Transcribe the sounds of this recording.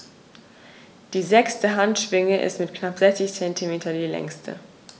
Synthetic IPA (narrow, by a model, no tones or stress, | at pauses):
d̥iːzɛkstəɦantʃv̥ɪŋəʔɪ̰stmɪtknapz̥ɛçt͡sɪçt͡sɛntʰimeːtʰɐdiːlɛ̰ŋstʰə̰